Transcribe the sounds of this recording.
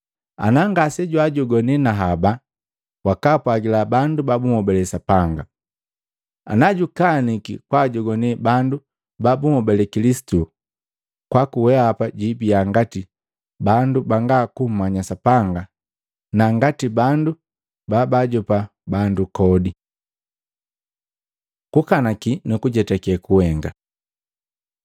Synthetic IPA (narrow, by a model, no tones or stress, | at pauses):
a̰naŋɡasɛɟwaɟɔɡɔnɛnaɦaba | wakapwaɡilabandubabumɔbɛlɛsapaŋɡa | a̰naɟukanikikwaɟɔɡɔnɛbandu | babuhɔbɛlɛkilisi̥tu | kwakuwɛapaɟibiaŋɡati | bandubaŋɡakum̩mːaɲasapaŋɡa | naŋɡatibandu | babaɟɔpa | bandukɔdi | kukanakinukuɟɛtakɛkuwɛŋɡa